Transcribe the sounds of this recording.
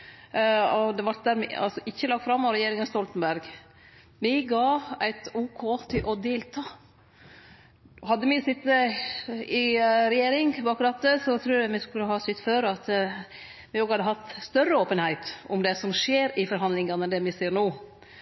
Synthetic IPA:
ɔd̪ɛʋɑɾʈ̪̚d̪æːɾmɪɑ̰lsɔʔɪçːəlɑɡt̪fɾɑmːɑʋɾɛjeːɾɪŋənst̪ɔlt̪ənbæɾɡ | mɪɡɑːæɪt̪uːkʰoːt̪ʰɪlʔɔd̪eːlt̪ʰɑː | hɑd̪ːəmɪsɪt̪ːə | ɪɾɛjeːɾɪŋbɑːkɾɑt̪ːəsɔt̪ʰɾʉːɾæmɪskʉləhɑsʏt̪ːføːɾɑt̪ | ʋɪoːɡhɑd̪ːəɦɑt̪ːst̪œrːəoːpənhæɪt̪ʊmd̪ɛsɔmʂeːɾɪfɔɾɦɑnd̪lɪŋənəd̪ɛmɪsiːɾnoː

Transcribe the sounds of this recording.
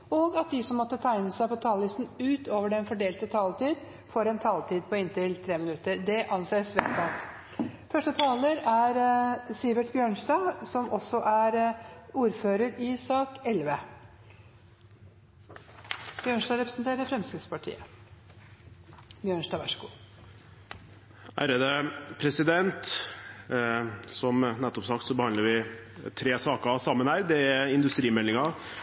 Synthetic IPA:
ɔɡɑt̪̚d̪ɪsɔmːɔt̪ːət̪ʰæɪnəsæɪpɔt̪ʰɑːllɪst̪n̩ʉːt̪oːʋəɖɛnfɔɖeːlt̪ət̪ʰɑːlt̪iːd̪ | foːɾɛnt̪ʰɑːlt̪ʰiːd̪̚pʰɔɪnt̪ɪlt̪ʰɾeːmɪnʉt̪ːəɾɖ̪ɛʔɑnseːsʋɛnɑt̪ | fœʂʈət̪ʰɑːləɾæɾsɪbəʈbjøːɳʂɖɑːsɔmʔɔsɔʔæɾuːɾføːɾəɾɪsɑːkɛlʋə | b̥jøːɳʂdɑːɾɛpɾəsənt̪ʰeːɾəɾfɾɛmskɪspɑʈʰḭːə | bjøːɳʂdɑːʋɑ̰ʂɡṵː | æ̰ːɾəd̪əpʰɾɛsɪd̪ɛnt̪ | sɔmnɛt̪ːɔpsɑk̚t̪sɔbəhɑnəɾʋɪt̪ʰɾeːsɑːkəsɑmːənhæːɾd̪ɛæɾɪnd̪ʉst̪ɾiːmɛlːɪŋɑ

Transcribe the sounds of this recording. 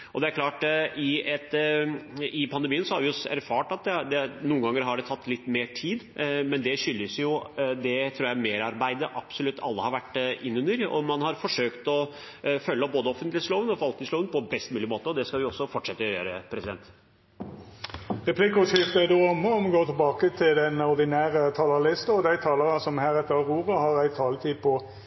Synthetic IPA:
ɔd̪ɛæɾkʰlɑːʈʔɪɛt̪ | ɪpʰɑnd̪ɛmiːənsɔhɑɾʋɪɔsæ̰ɾfɑːʈɑt̪̚d̪ɛd̪ɛnuːəŋɡɑŋːəɾɦɑɖɛt̪ʰɑt̪ːlɪt̪ːmeːʈʰiːd̪mɛnd̪ɛɕʏlːəsjʊd̪ɛt̪ʰɾuːɾjæɪmeːɾɑɾbæɪd̪əʔɑb̥sɔlʉt̪ʰːɑ̰lːəhɑɾʋæʈːɪnːʉnəɾɔ̰mɑnhɑɾfɔʂøːkt̪ɔ | fœlːɔboːd̪əɔfənt̪lɪsloːʋənɔʋɑlt̪lɪsloːʋənpʰɔbɛst̪mʉːlɪmoːt̪əɔd̪ɛskɑlʋɪɔsːɔfɔʈʂɛt̪ːəjø̰ːɾəpʰɾɛsɪd̪ɛnt̪ | ʁɛpʰliːkʊʃɪft̪əæd̪oːɑmːəɔmɡoːt̪ʰɛlbɑːkət̪ʰɪld̪ɛnɔʁd̪ɪnæːʁət̪ʰɑːləlɪst̪əɔd̪æɪt̪ʰɑːləʁənsɔmhæːɾɛt̪ːəʁuːʁəhɑʁæɪt̪ʰɑːlət̪ʰiːd̪pʰɔ

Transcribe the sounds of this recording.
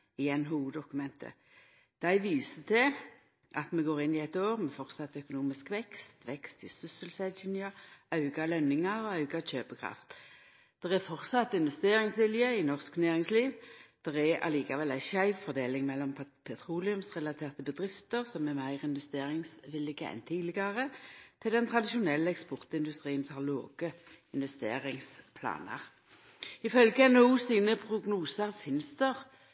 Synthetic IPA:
ɪɛnɦuːuːd̪ɔkʉmɛnt̪ʰə̰ | d̪̥æɪʋiːsət̪ʰɪ | ʔɑt̪mɛɡoːʁɪnːɪæɪt̪oːʁmɛfɔʁt̪sɑt̪ːœkʊnuːmɪskʋɛkst̪ʋɛkst̪ɪsʏsəlsæd̪ʃɪnjɑɑʉɡɑlœnːɪŋɑɔɑʉɡɑc͡çøːpəkʰʁɑ̰ft̪ | d̪̥ɛʁɛfɔʁt̪sɑt̪ːɪnʋɛst̪eːʁɪŋsʋɪljəɪnɔʁsknæːʁɪŋsliːʋd̪̥ɛʁɛɑ̰liːkɑʋɛlæɪʃæɪffɔʁd̪eːlɪŋmɛlːɔm | pʰɛt̪ʰʁuːlɪʉmsʁɛlɑt̪ʰeːʁt̪əbəd̪ʁɪft̪əʁsɔmɛmæɪʁɪnʋɛst̪eːʁɪŋsʋɪlɪɡəɛ̰nt̪ʰiːd̪lɪɡɑʁət̪ʰɪld̪ɛnt̪ʰʁɑd̪ɪʃʊnɛlːəɛkspɔʁt̪ɪnd̪ʉst̪ʁiːənshɑloːɡ̥əɪnʋɛst̪ḛːʁɪŋspʰlɑ̰ːnə̰ʁ | ɪfœlɡɛnuːsiːnəpʰʁʊɡnuːsəʁfɪnsd̪əʁ

